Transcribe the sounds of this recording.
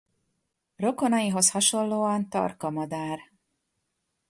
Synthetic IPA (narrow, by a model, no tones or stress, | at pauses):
ro̞ko̞nɒjiɦo̞shɒʃo̞nloːɒnt̪ɒ̰rkɒmɒd̪aːr